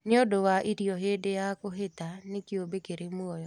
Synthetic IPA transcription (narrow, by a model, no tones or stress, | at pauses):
neodowaʔiɾjɔɦedejakoɦetanekiobekeɾemwɔjɔ